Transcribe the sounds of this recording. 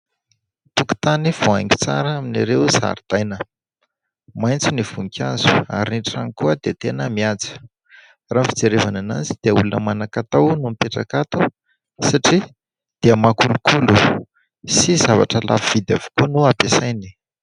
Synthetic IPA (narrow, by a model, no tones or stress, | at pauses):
t̪uku̥t̪aniv̥oajŋi̥t͡sa̰ɾəaminaɾewza̰ɾid̪̥ajnə | majnt͡siniv̥uŋikʲʰa̰zu̥a̰ɾiniʈ͡ʂanikuəd̪et̪enəmiad͡zi̥ | raːmfi̥d͡zeɾevanana̰d͡zid̪̥eəulunəmanakat̪awnumpeʈ͡ʂakat̪u | saʈ͡ʂi | d̪̥iəmakulukʰulu | sizava̰ʈ͡ʂəlʔa̰viv̥id̪avo̥kunuapesajni̥